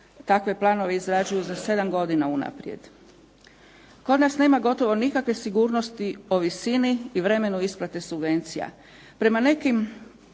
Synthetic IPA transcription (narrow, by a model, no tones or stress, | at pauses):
t̪akʋe̞plˠaːno̞ʋe̞izɾad͡ʒujuzase̞d̪amɡo̞d̪inauna̰pɾjḛd̪ | ko̞d̪nasneːmaɡo̞t̪o̞ʋo̞nikakʋe̞siɡuːɾno̞st̪io̞ʋisiniːʋɾe̞me̞nuisplˠat̪e̞subʋe̞nt̪sija̰ | pɾe̞mane̞kim